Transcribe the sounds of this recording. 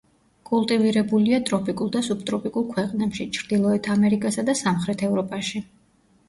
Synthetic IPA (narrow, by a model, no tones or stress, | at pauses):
kʼulˠt̪ʼiviɾɛbuliat̪ʼɾɔpʼikʼulˠd̪asup̚t̪ʼɾɔpʼikʼulˠkʰwɛqʼnɛpʃit͡ʃʰɾd̪ilˠɔɛt̪ʰamɛɾikʼasad̪asamχɾɛt̪ʰɛvɾɔpʼaʃi